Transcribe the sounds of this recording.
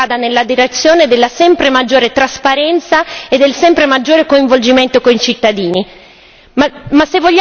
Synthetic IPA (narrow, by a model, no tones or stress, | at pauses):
aːd̪anelːad̪iɾet̪sːjoːned̪elːasɛmpɾemad͡ʒːoːɾet̪ɾaspaɾɛnt̪saed̪ːelsɛmpɾemad͡ʒːoːɾekoiɱvold͡ʒiment̪okoit͡ʃit̪ːad̪iːni | masevːoʎː